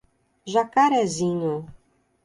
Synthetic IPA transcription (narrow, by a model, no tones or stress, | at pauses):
ʒakaɾɛzĩɲʊ